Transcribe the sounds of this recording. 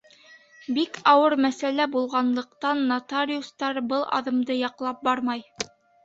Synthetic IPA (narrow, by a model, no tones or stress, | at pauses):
bikɑwɤɾmæsælæbulˠʁɑnlˠɤ̆qt̪ɑnːat̪aɾʲiust̪ɑɾbɤlˠɑ̰ðɤ̆md̪ɤjɑqlˠɑp̚bɑɾmɑj